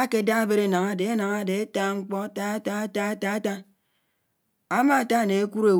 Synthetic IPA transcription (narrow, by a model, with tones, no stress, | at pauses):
a˦ke˨˦da˦a˦be˦ɾe˦na˨ŋa˨de˨e˦na˨ŋa˦de˨e˦ta˦ŋ͡m̩˦k͡pɔ˦ta˦a˦ta˦a˦ta˦a˦ta˦a˦ta˦ | a˦ma˦a˨ta˦˨ne˨e˦kʷu˦ɾe˨